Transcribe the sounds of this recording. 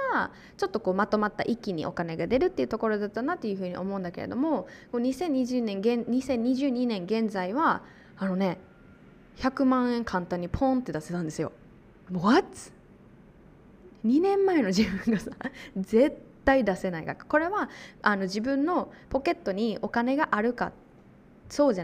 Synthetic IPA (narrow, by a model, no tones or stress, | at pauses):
a | t͡ɕo̞t̪ːo̞ko̞ːmat̪o̞mat̪ːa̰ʔikʲiɲ̟ḭʔo̞̰kane̞ɡad̪e̞ɾɯ̟t̪ːeiɯ̟t̪o̞ko̞ɾo̞d̪at̪ːanat̪ːe̞jɯ̟ɸɯ̟ːɲ̟ḭʔo̞̰mo̞ɯ̃nd̪ake̞̰ɾḛd̪o̞̰mo̞koɲ̟isẽ̞ɲ̟ːiʑɨːnẽ̞ŋɡẽ̞nɲ̟isẽ̞ɲ̟ːiʑɨːɲ̟inẽŋɡẽ̞nd͡zaiβa | ano̞ne̞ | çakɯ̟mãɰ̃ẽ̞ŋkʰãnt̪ãɲ̟ːipʰõ̞nt̪ːe̞d̪ase̞t̪ãnd̪esɨjo̞̰ | moat͡sɨ̥ | ɲ̟inẽ̞mːae̞no̞ʑibɯ̟̃ŋɡasḁze̞t̪ːaid̪ase̞naikakḁko̞ɾe̞βaano̞ʑibɯ̟̃nːo̞po̞ke̞t̪ːo̞ɲ̟io̞kane̞ɡaʔaɾɯ̟ka̰ | so̞ːʑa